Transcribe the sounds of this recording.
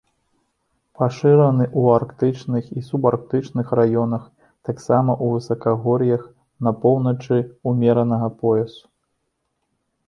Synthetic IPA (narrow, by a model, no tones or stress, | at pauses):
paʂɨɾɐnɨʔuarkt̪ɨt͡ʂnɨxisubark̚t̪ɨt͡ʂnɨxrajɔnɐx | t̪aksamɐʔuvɨsɐkaɣɔɾʲijɐx | nɐpɔwnɐt͡ʂɨumʲɛɾɐnɐɣɐpɔjɛsu̥